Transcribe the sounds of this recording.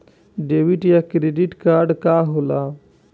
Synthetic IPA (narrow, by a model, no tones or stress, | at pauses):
ɖewiʈjakɾeɖiʈkaːɾɖkaːɦola